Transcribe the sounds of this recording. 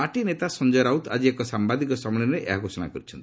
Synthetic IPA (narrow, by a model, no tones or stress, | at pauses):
aʈinet̪asɔnd͡ʒɔɾawt̪a̰d͡ʒiekɔsambad̪ikɔsɔmɔɽɔnɾeʔḛɦaɡʱosɔɽ̃a̰kɔɾit͡ʃʰɔnt̪i